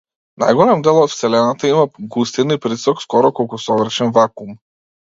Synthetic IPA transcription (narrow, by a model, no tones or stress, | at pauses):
na̰jɡɔlɛmd̪ɛlˠɔt̪fsɛlɛnat̪aimaɡust̪inipɾisɔkskɔɾɔkɔlˠkusɔvɾʃɛnvakum